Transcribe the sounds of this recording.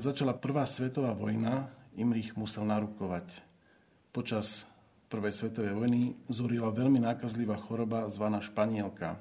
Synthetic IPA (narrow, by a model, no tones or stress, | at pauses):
zat͡ʃalapr̩ʋaːsʋɛt̪ɔʋaːʋɔjnaimɾiɣmusɛlnaɾukɔʋac | pɔt͡ʃas | pr̩ʋɛjsʋɛt̪ɔʋɛjʋɔjnizuɾilaʋɛʎminaːkazliʋaːxɔɾɔbazʋanaːʃpaɲɪɛlka̰